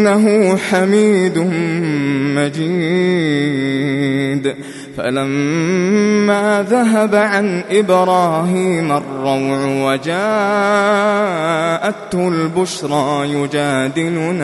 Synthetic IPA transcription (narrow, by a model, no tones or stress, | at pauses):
nːaɦʊħamiːd̪ʊ | mad͡ʒiː | d̪ | fa̰lamː | aːðaɦabaʕanʔɪbɾˤɑːɦiːmarˤːɑwʕwad͡ʒaː | ʔat̪hʊlbʊʃɾˤɑːjʊd͡ʒaːd̪ɪlʊna